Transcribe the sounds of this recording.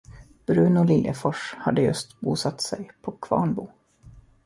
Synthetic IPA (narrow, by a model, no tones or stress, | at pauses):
b̥ɾʉ̟ːnʊlɪljʔə̰fɔʂhad̪ːəjɵ̰st̪buːsat̪ːsɛjpʰɔkʰvɑ̰ːɳbuː